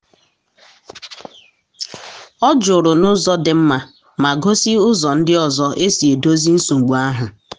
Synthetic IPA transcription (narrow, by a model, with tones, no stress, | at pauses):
ɔ˦d͡ʒʊ˨ɾʊ˨nʊ˦zɔ˦dɪ˨m̩˦ma˦ | ma˨ɡo˦si˦ʊ˦zɔ˨n̩˦dɪ˦ɔ˨zɔ˦ʔe˦si˨e˨do˦zi˦n̩˦su˨ŋ͡m̩˨ɡ͡bu˨a˦ɦʊ˨